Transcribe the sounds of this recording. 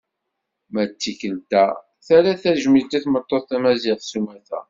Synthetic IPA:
mæt͡sːikəlt̪æ | θæɾæθæʒmit̪æθmət̪ˤːoθθæmæziʁsumæθæ̰

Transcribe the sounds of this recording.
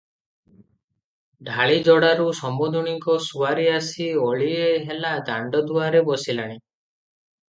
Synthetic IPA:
ɖʱaɭid͡ʒɔɽaɾusɔmbod̪ʱɔɽ̃iŋkɔsuaɾiasiɔɭieɦelad̪aɳɖɔd̪uaɾebɔsilaɽ̃i

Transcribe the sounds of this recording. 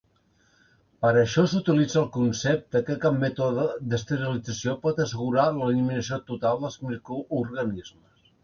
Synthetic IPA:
pəɾəʃɔsut̪ilid͡zəlˠkunsɛp̚t̪əkəkabmɛt̪oðəd̪əst̪əɾilid͡zəsiopɔt̪əsəɣuɾaləliminəsiot̪ut̪alˠd̪əlˠzmikuurɣənizməs

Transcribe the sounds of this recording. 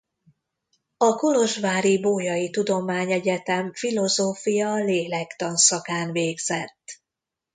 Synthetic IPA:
ɒko̞ɾo̞ʒʋaːɾiboːjɒjit̪ud̪o̞maːɲɛɟɛt̪ɛɱfilo̞zoːfijɒleːlɛkt̪ɒnsɒkaːnveːɡz̥ɛt̪ː

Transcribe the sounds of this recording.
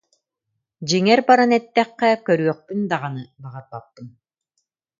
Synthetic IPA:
d͡ʑiŋɛɾbaɾanɛt̪ːɛχːɛkœɾyœχ̚pynd̪aʁanɯbaʁaɾbat̪ːɯn

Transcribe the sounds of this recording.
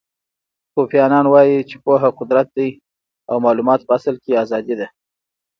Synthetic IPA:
tofjɑnɑnwɑjit͡ʃe̥poɦaqʊd̪ɾat̪̚d̪aj | awmɑlumɑt̪̚pəasalkeazɑd̪id̪a

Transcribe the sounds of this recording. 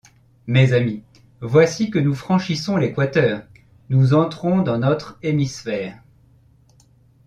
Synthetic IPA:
mezami | vwasikənufχɑ̃ʃisɔ̃lekwat̪œːʁ | nuzɑ̃t̪χɔ̃d̪ɑ̃nɔt̪χemisfɛːʁ

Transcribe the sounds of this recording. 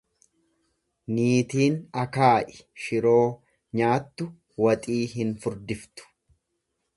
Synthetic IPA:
niːt̪iːnɐkaːʔɪ̥ʃɪɾo̞ː | ɲaːt̪ːʊ | wɐt̪ʼiːɦɪnfʊɾd̪ɪft̪ʊ̥

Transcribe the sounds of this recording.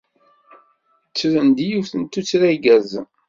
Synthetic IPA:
t͡sːɾənd̪ijufθənt̪ːut͡sːɾæɡæz

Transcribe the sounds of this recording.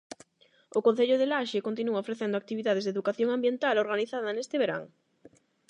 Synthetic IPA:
ʊkõn̟θeʎʊðelaʃekont̪inuɐofɾeθend̪ʊak̚t̪iβiðaðezðeðukaθjoŋambjent̪aloɾɣaniθaðɐnest̪ɪβeɾa̰ŋ

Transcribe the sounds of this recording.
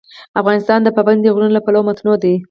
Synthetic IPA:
afɣɑnɪst̪ɑnd̪əpaband̪əɣɾunlapalawomat̪nod̪i

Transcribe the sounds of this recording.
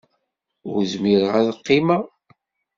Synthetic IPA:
ʊ̰ɾzmiɾəʁæðqːima

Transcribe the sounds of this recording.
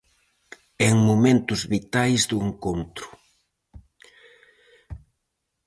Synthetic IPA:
eŋmomẽnt̪ʊzβit̪ajzðueŋkont̪ɾʊ̥

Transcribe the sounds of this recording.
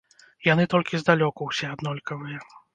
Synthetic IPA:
janɨt̪ɔlʲkʲizd̪alʲɔkuwsʲɛad̪nɔlʲkɐvɨjɛ

